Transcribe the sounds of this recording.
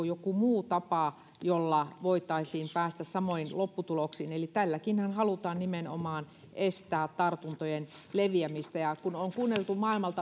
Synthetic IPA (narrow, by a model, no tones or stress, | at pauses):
ojokumuːt̪ɑpɑˑ | jolːɑʋoit̪ɑisiːmpæːst̪æssɑmoinlopːut̪uloksiːnelit̪ælːækinhænhɑlut̪ɑːnnimeno̰mɑːn | ʔest̪æːt̪t̪ɑrt̪unt̪ojen | leʋiæmist̪æjɑkunoŋkuːnːelt̪umɑilmɑlt̪ɑ